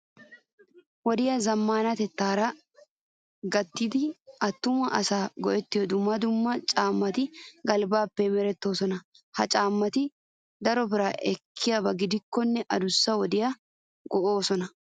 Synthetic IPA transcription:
wɔd̪ɪjɐzɐmːaːnɐt̪ɛt̪ːaːɾɐ | ɡɐt̪ːiːd̪ɪɐt̪ːʊmɐʔɐsaːɡɔʔɛt̪ːɪjɔd̪ʊmːɐd̪ʊmːɐt͡ʃʼaːmːɐt̪ɪɡɐlbaːpːɛmɛɾɛt̪ːo̞ːsɔnɐ | hɐt͡ʃʼaːmːɐt̪ɪ | d̪ɐɾɔbɪɾaːʔɛkʰːɪjabɐɡɪd̪ɪkːɔnːɛʔɐd̪ʊsːɐwɔd̪ɪjɐ | ɡɔʔo̞ːsɔnɐ

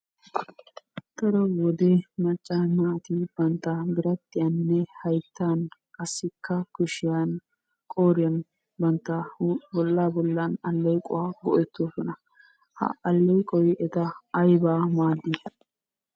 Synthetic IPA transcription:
t̪ɐɾɔwɔd̪emɐt͡ʃʼːamaːt̪ib̥ɐnt̪ːɐbɪɾɐt̪ʼːɪjɐnːɛhɐjt̪ʰːaːnkɐsːɪkːɐkʊʃɪjan | kʼoːɾɪjɐn | bɐnt̪ːabɔlːaːbɔlːanɐlːɛjkʼɔwaːɡɔʔɛt̪ːoːsɔnɐ | hɐ̰ɐlːɛjkʼɔjʔɛt̪ɐːjbaːmaːd̪ːi

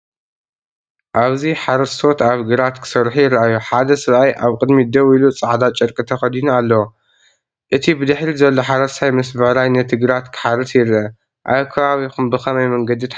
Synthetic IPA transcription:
ʔaβziħaɾɐst̪ʰo̞t̪aβɡɨɾat̪kʰɨ̥sɐɾħujɪɾʔajuħad̪ɐsɨɾʔajʔaβkʼɨd̪mid̪ɐwilut͡sʼaʕd̪at͡ʃʼɐɾkʼɨt̪ʰɐxɐd̪inualːɐwo | ʔɨt̪ʰibɨd̪ɨħɾizɐlːo̞ħaɾɐsʰajmɐs̬bɐɾajnɐt̪ʰɨɡɨɾat̪kʰɨ̥ħaɾɨsjɪɾʔɐ | ʔakʰɐβaβikumbɨxɐmɐjmɐŋɡɐd̪it̪

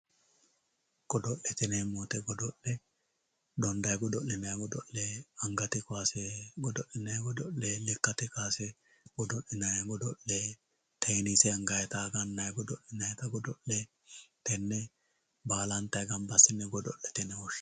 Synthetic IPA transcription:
ɡ̥ɔd̪ɔʔɛt̪ɪnɛmoːt̪ɛɡɔd̪ɔʔːɛ | d̪ɔnd̪ɐjɡɔd̪ɔʔːɪnɐjɡɔd̪ɔʔːɛːɐŋɡɐt̪ɪkʊaːsɛɡɔd̪ɔʔɪnɐjɡɔd̪ɔʔleːlɛkːɐt̪ɪkaːsɛ | ɡ̥ɔd̪ɔʔːɪnɐjɡɔd̪ɔʔːeː | t̪ejnisɛɐŋɡɐjɛt̪ɐɡɐnːɐjɡɔd̪ɔʔɪnɐjɛt̪ɐɡɔd̪ɔʔɛ | t̪ɛnːɛ | baːlɐnt̪ɐjɡɐmbɐsːɪnːɛɡɔd̪ɔʔːɛt̪ɪnɛwɔʃ

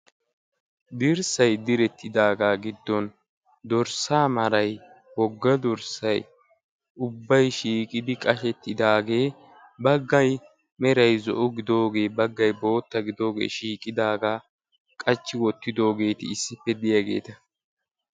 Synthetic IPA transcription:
d̪ɪɾsɐjd̪ɪɾɛt̪ʰːɪd̪aːɡaːɡɪd̪ːɔn | d̪ɔɾsaːmɐɾɐj | wɔɡːɐd̪ɔɾsɐj | ʊbːɐjʃiːkʼɪd̪ɪkʼɐʃɛt̪ːɪd̪aːɡe̞ː | bɐɡːɐj | mɛɾɐjzɔ̰ʔʊɡɪd̪o̞ːɡe̞ːbɐɡːɐjbo̞ːt̪ːɐɡɪd̪o̞ːɡḛːʃiːkʼɪd̪aːɡaː | kʼɐt͡ʃːɪwɔt̪ːɪd̪o̞ːɡe̞ːt̪ɪ̰ːsːɪpːɛd̪ɪjaɡe̞̰ːt̪ɐ

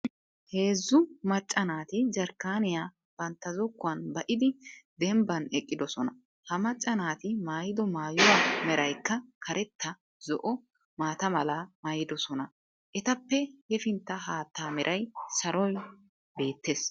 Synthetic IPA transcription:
he̞ːzːʊmɐt͡ʃʼːɐnaːt̪ɪd͡ʒɐɾkːaːnɪjaː | b̥ɐnt̪ːɐzɔkːʊwɐnbɐʔɪd̪ɪd̪ɛmbɐnɛkʼːɪd̪ɔsɔnɐ | hɐmɐt͡ʃʼːɐnaːt̪ɪmaːjɪd̪ɔmaːjʊwamɛɾɐjkːɐkʰɐɾʔɛt̪ʰːɐ | zɔʔɔ | maːt̪ɐmɐlɐmaːjɪd̪ɔsɔnɐ | ʔɛt̪ɐpːɛhɛfɪnt̪ːɐɦaːt̪ːaːmɛɾʔɐjsɐɾɔj | be̞ːt̪ːe̞ːs

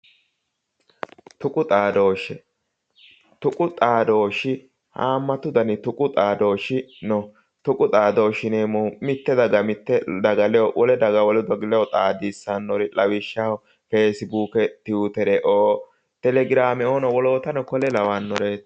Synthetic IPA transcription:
t̪ʊkʼʊt̪ʼaːd̪o̞ːʃɛ | t̪ʊkʼʊt̪ʼaːd̪o̞ːʃɪ | haːmːɐt̪ʊd̪ɐnɪt̪ʊkʼʊt̪ʼaːd̪oːʃɪnɔ | t̪ʊkʼʊt̪ʼaːd̪o̞ːʃɪneːmɔmɪt̪ːɛd̪ɐɡɐmɪt̪ːɛd̪ɐɡɐlɛjɔwʔɔlɛd̪ɐɡɐwɔlɛd̪ɔɡlɛjɔt̪ʼaːd̪isːanːɔɾɪlɐwɪʃːahɔ | feːsɪbuːkɛt̪ɪuːt̪ɛɾɛʔoː | t̪ɛlɛɡɪɾaːmɛoːnɔwɔlo̞ːt̪ɐnɔkɔlɛlɐwaːnːɔɾeːt̪

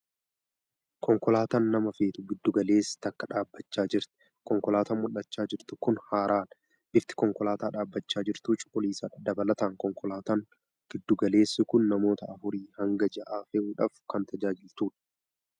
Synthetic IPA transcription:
kɔŋkɔlaːt̪aːnːɐmɐfeːt̪ʊɡɪd̪ːʊɡɐle̞ːsːt̪ɐkːɐᶑaːbːɐt͡ʃːaːd͡ʒɪɾt̪ɪ̥ | kɔŋkɔlaːt̪ɐːmmʊlːɐt͡ʃːaːd͡ʒɪɾt̪ʊkʊnhaːɾaːnɐ | bɪft̪ɪ̥kɔŋkɔlaːt̪aːᶑaːbːɐt͡ʃːaːd͡ʒɪɾt̪uːt͡ʃʼʊ̥pːɔliːsɐːᶑɐd̪ɐbɐlɐt̪aːŋkɔŋkɔlaːt̪aːŋ | ɡ̥ɪd̪ːʊɡɐle̞ːsːɪkʊnːɐmo̞ːt̪ɐʔɐfʊɾiːhɐŋɡɐd͡ʒɐʔaːfɛʔuːᶑaːfkɐnt̪ɐd͡ʒaːd͡ʒɪlt̪uːᶑɐ̥

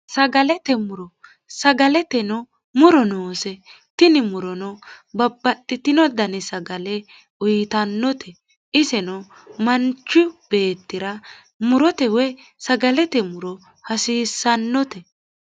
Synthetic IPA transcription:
sɐɡɐlɛt̪ɛmʊɾɔ | sɐɡɐlɛt̪ɛnɔ | mʊɾɔnoːsɛ | t̪ɪnɪmʊɾɔnɔbɐbːɐtʼːɪt̪ɪnɔd̪ɐnɪsɐɡɐlɛ | ʊjt̪ɐnːɔt̪ʰɛ | ʔɪsɛnɔ | mɐnt͡ʃːʊb̥e̞ːt̪ːɪɾɐ | mʊɾɔt̪ɛwɛ | sɐɡɐlɛt̪ɛmʊɾɔ | hɐsiːsːɐnːɔt̪ɛ

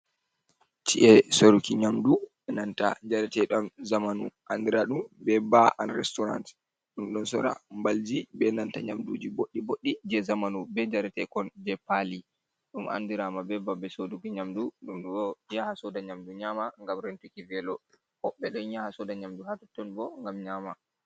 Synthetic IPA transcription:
t͡ʃiʔɛsoɾukiɲamdu | ɛnanta̰d͡ʒaɾɛtɛɗɔnzamanuʔandiɾaɗumbɛbaʔanɾɛstɔɾa̰nt | ɗumɗɔnsɔ̰ɾa̰mbald͡ʒibɛnanta̰ɲamdud͡ʒiboɗːiboɗːid͡ʒɛzamanubɛd͡ʒaɾɛtɛkɔnd͡ʒɛpali | ɗumʔa̰ndiɾamabɛbabɛsodukiɲamduɗumɗɔd͡ʒɛhasɔdaɲamduɲamaŋɡamɾentukivɛlɔ | hɔɓːɛɗɔjɲahasɔdaɲamduhatɔtːɔnbɔŋɡamɲama

